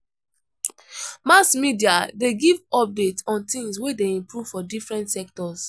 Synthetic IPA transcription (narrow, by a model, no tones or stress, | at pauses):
masmidiadeɡivɔbitɔ̃ntĩŋswedeĩmpɹuv̥fɔdifɹɛ̃ntsɛk̚tɔs